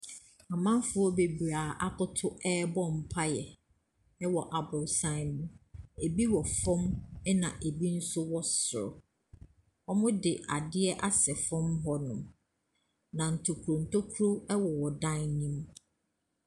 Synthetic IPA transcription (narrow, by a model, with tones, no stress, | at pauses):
a˨mã˦m˦fʊ˦ɔ˦be˨bi˨ɾaː˨ʔa˦tʊ˦tʰʊ˦ɛː˦bɔ̃˦m̩˨pʰa˦jɛ˨ | ɛ˦wɔ˨ʔa˨bʊ˨sã˦ɪ˦nʊ̃˦e˨bi˦wɔ˨fɔ̃˦mɛ˦nã˨ʔe˨bi˦n̩˦sʊ˦wɔ˦sʊ˨ɾʊ̰˨ | ɔ˦mʊ̃˦dɪ˨a˨dɪ˦ɛ˦ʔa˦sɛ˨fɔ̃˦mɦɔ˦nʊ̰̃˨m | nã˨n̩˨tʰo˨kʰu˨ɾo˨n̩˨tʰo˦kʰu˦ɾo˦ɛ˦wɔ˨wɔ˨dã˦nnĩ˦m